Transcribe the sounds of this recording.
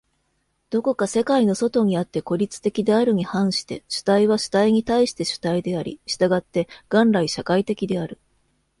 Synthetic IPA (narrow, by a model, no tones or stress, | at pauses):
d̪̥o̞ko̞kase̞kaino̞so̞t̪o̞ɲ̟iat̪ːe̞ko̞ɾʲit͡sɨ̥t̪e̞kʲid̪e̞aɾɯ̟ɲ̟ihãɰ̃ɕi̥t̪e̞̰ɕɨ̥t̪aiβ̞aɕɨ̥t̪aiɲ̟it̪aiɕi̥t̪e̞ɕɨ̥t̪aid̪e̞aɾʲḭɕi̥t̪aɡat̪ːe̞ɡ̥ãnɾaiɕakait̪e̞kʲid̪e̞aɾɯ̟